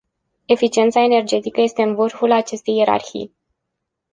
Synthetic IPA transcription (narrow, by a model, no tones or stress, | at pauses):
e̞fit͡ʃie̞nt̪sae̞ne̞rd͡ʒe̞t̪ikəje̞st̪eɨnvərfulat͡ʃe̞st̪e̞jːe̞ɾa̰rxḭj